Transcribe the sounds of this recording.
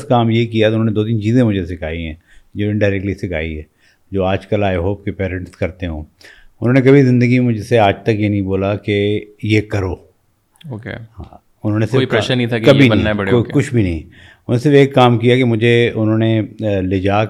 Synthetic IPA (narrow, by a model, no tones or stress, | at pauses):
skaːmjekijaoʊnɦõːned̪oːt̪̬int͡ʃiːzẽmʊd͡ʒʱesɪkʰa̰ːiɦɛ̰̃ː | d͡ʒõːɖaːɪɾɛk̚ʈlisɪkʰa̰ːḭɦɛː | d͡ʒoːaːd͡ʒkəlaːjɦoːp̚kepɛːɾə̃ɳʈskɐɾt̪eɦõ̰ːʊnɦõːnek̬ɐbʱizɪ̃nd̪əɡimẽmʊd͡ʒʱeseaːd͡ʒt̪ɐkjenɐɦĩboːlakejekɐɾoː | oeɦãː | ʊnɦõːnesɪɾʃnĩt̪ʰakkɐbʱinɐɦiokʊt͡ʃʰbʱinɐɦĩʊnõnesɪɾfeːkːaːmkijakemʊd͡ʒʱeʊnɦõːneleːd͡ʒaː